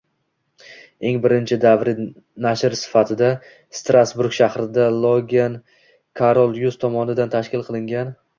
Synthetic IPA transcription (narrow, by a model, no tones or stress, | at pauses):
e̞ŋbɪɾɪnt͡ʃʰɪd̪avɾɪ | naʃɾsɪ̥fat̪ʰɪd̪a | st̪ɾʔasbuɾɡʃahɾɪd̪alˠoɡʲan | kʰaɾolˠjust̪ʰɒmɒnɪd̪ant̪ʰaʃkʲɪlˠqʰɨlˠɪŋɡʲan